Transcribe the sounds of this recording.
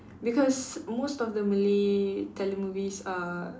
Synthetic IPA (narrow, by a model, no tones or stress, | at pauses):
bikɔsmostɔfdəmilitʰɛlemuvisa